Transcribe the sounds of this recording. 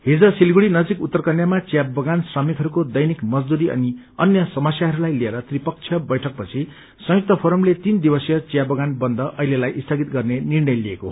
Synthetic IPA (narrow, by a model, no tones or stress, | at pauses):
ɦid͡zʌsilɡuɽinʌd͡zikut̪ːʌrkʌnjamat͡sjabʌɡansrʌmikɦʌɾukod̪ʌjnikmʌd͡zd̪uɾiʌ̰ni | ʌnjʌsʌmʌsjaɦʌɾulajlieɾʌt̪ripʌk̚t͡sʰjʌbʌjʈʰʌk̚pʌt͡sʰi | sʌ̃juk̚t̪ʌpʰoɾʌmlet̪ind̪ibʌsjʌt͡sjabʌɡanbʌnd̪ʌʔʌɦilelajʔist̪ʰʌɡit̪ɡʌrnenirnʌjlieko̰